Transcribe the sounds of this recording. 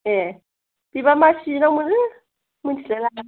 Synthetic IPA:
jɛ | biβamaʃinamun | mund͡ʒʱilɛla

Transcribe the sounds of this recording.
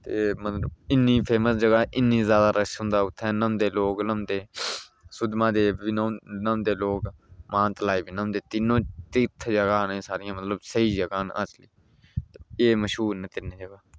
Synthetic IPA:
t̪eːmət̪ləbɪnːĩːpʰeːməsd͡ʒəɡaːʔɪnːiːzjaːd̪aːɾəsɦʊ̃nd̪aːʊt̪ʰːɛ̃ːnəmd̪eːloːknəmd̪eː | sʊd̪mãːd̪eːʋɪnonəmd̪eːloːkmãːnt̪əlaːiːbinəmd̪eːt̪ɪnːõːt̪ɪt̪ʰd͡ʒəɡaːnẽːsaːɾɪjãːmət̪ləbsəiːd͡ʒəɡaːnə̰t͡ʃliː | t̪eeːməʃɦuːɾnẽːt̪ɪnẽːd͡ʒəɡaː

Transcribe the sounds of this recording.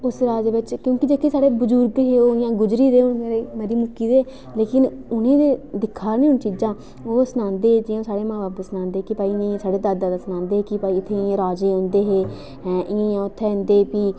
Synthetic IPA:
ʊsɾaːd͡ʒeːʋɪt͡ʃkjõːkɪd͡ʒeːkʰeːsaːɽeːbʊd͡ʒʊɾɡeɦeːoːɪjãːɡʊd͡ʒɾiːd̪eːʊnmeːɾeːmeːɾiːmʊkiːd̪eː | leːkɪnʊnẽːd̪eːd̪ɪkʰːaːɾneːɦʊnt͡ʃiːd͡ʒãː | oːsənãːnd̪eːd͡ʒɪjãːsaːɽeːmãːbaːpsənãːnd̪eːkɪpaːinĩːsaːɽeːd̪aːd̪ãːd̪aːsənãːnd̪eːɦeːkɪpaːiːɪt̪ʰːẽːɾaːd͡ʒeːõnd̪eːɦeː | ɛ̃ʔɪ̃jãːʊt̪ʰːɛ̃nd̪eːpiː

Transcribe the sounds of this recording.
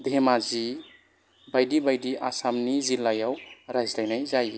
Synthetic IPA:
d̪ʱemazi | bajdibajdiʔasamnizilːajawɾajzlajnajzaj

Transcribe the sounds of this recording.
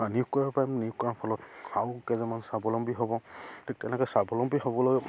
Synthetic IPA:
anijʊkkɔɹaɹpajmnijʊkkɔɹaɹpʰɔlɔtawkɛzɛmansabɔlɔmbiɦobɔtʰik̚tɛnɛkɔsabɔlɔmbiɦobɔloɡɛ

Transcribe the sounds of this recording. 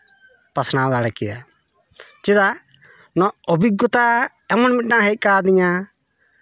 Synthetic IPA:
pasnad̪aɽɛkɛja | t͡ʃid̪a | nɔɔbiɡɔt̪a | ɛmɔnmit̪̚naɦɛc̚ˀkad̪iɲa

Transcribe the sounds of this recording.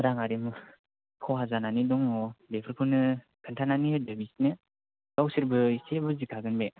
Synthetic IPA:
ɾaŋaɾim | kʰɔwɦazananidɔŋɔdepʰɯɾkʰɯnɯ | kʰɯntʰananiɯdabisnɯ | ɡ̥awsiɾbɯisebɯzikʰaɡɯnbe

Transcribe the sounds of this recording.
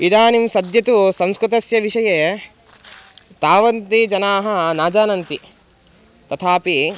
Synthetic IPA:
id̪aːnimsɐd̪jɐt̪usɐmskɾut̪ɐsjɐʋiʂɐjeː | t̪aːʋɐnt̪id͡ʒɐnaːɦɐnaːd͡ʒaːnɐnt̪i | t̪ɐt̪ʰaːpi

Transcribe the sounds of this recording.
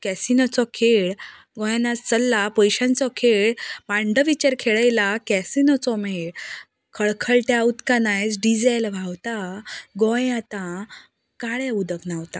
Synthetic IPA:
kɛsinɔt͡sɔkʰeɭ | ɡɔ̃janast͡səlːapəjɕãnt͡sɔkʰeɭmãɳɖəʋit͡ɕəɾkʰeɭajlakɛsinɔt͡sɔmeɭ | kʰəɭkʰəɭʈjaut̪kanajsɖid͡zalʋʱawt̪aɡɔ̃jat̪ã | kaɭɛud̪əknaʋt̪a

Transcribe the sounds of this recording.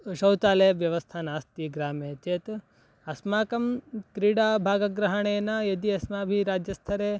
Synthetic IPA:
ʃɐwt̪aːlejʋjɐʋɐst̪ʰaːnaːst̪iɡɾaːmeːt͡ʃeːt̪ | ɐsmaːkɐmkɾiːɽaːbʱaːɡɐɡɾɐɦɐɳejɐnɐjed̪iɐsmaːbʱiɾaːd͡ʒjɐst̪ʰɐɾe

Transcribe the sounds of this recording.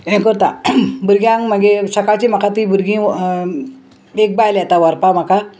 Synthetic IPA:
ɛ̃kəɾt̪abuɾɡjãŋm̤əɡesəkat͡ɕim̤akat̪ibuɾɡĩː | ek̚bajljat̪aʋəɾpam̤aka

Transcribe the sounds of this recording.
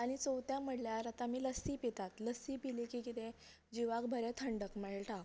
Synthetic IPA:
aɽ̃it͡sowt̪jaməɽljaɾat̪amiːləsipit̪at̪ləsipilikikit̪ẽ | d͡ʑiʋakbʱəɾet̪ʰəɳɖəkmeɭʈã

